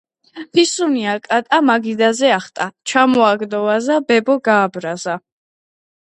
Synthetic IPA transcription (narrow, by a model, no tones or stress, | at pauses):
pʰisuniakʼat̪ʼamaɡid̪azɛaχt̪ʼat͡ʃʰamɔaɡd̪ɔvazabɛbɔɡaːbɾaza